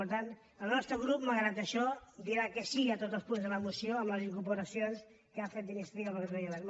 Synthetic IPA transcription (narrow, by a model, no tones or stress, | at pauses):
uɾt̪an | əlˠnɔst̪ɾəɣɾupməɣɾat̪əʃɔd̪iɾakəsiət̪ot̪zəlˠspunzðələmusijoəmləziŋkuɾpuɾəsions | kəafet̪d̪inist̪ɾiəlβəɾɾeələɾ